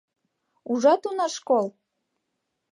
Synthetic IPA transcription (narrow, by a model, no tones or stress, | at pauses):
uʒɑt̪unɑʃkol